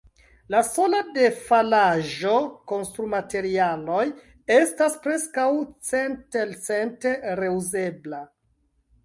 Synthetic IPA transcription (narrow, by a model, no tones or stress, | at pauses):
laso̞lade̞falaʒo̞ko̞nstɾumate̞ɾialo̞j | e̞staspɾe̞skawt͡sentelt͡se̞nte̞ɾe̞uze̞bla